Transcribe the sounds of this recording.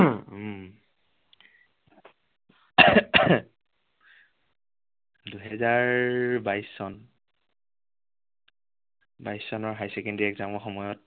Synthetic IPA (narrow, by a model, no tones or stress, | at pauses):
duɦɛzaɹbajsːɔn | bajsɔnɔɹɦajsɛkɛndiɛkzamɔxɔmɔjɔt̚